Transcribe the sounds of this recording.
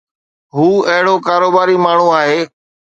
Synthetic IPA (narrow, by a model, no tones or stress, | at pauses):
ɦuːɐɦɪɽoːkaːɾoːbaːɾimaːɳ̤ũaːɦeː